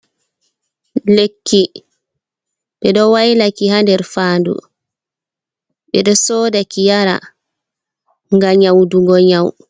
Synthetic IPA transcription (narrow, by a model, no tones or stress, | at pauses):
lekːi | ɓɛɗɔwajlakihandɛɾfaːndṵ | ɓɛɗɔsɔːdakijaɾa̰ | ŋɡaɲawduŋɡɔɲaw